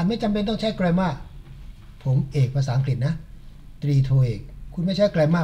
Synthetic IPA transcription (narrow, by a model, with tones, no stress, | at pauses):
a˨˩ma˥˩jt͡ɕa˧mp̬e˧nt̪ɔ˥˩ŋt͡ɕʰa˦˥˩kɾa˧mwaː˥˩ | pʰo˩˦mʔeː˨˩k̚pʰa˧saː˦ʔa˧ŋk̬ɾi˨˩t̪̚na˦˥ | t̪ɾiː˧t̪ʰoː˧ʔeː˨˩k̚ʰːu˧nma˥˩t͡ɕʰa˦˥˩jklaː˧maː˥˩